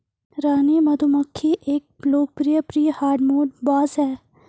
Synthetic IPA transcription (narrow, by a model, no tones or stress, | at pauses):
ɾaːnimɐd̪ʱumɐkʰːiʔeːk̚loːk̚pɾijəpɾiːjəhaːɾɖmoːɖbaːzɦɛː